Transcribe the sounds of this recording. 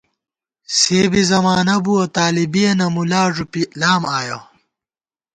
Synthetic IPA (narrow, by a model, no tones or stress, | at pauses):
seːbizɐmaːnɐbuɐt̪aːlibijɐnɐmulaːʐupilaːmaːjo